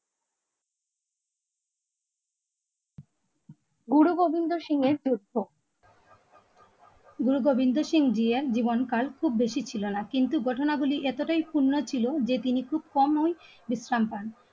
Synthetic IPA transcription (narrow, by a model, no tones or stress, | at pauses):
ɡuɽuɡobind̪oʃiŋeɾd͡ʑud̪ʱːo | ɡuɾuɡobind̪oʃiŋd͡ʑieɾd͡ʑibonkalkʰub̚beʃit͡ɕʰilonakint̪uɡɔʈʰonaɡuliʔɛt̪oʈajpunːot͡ɕʰilod͡ʑet̪inikʰub̚kɔmnoj | bisɾampan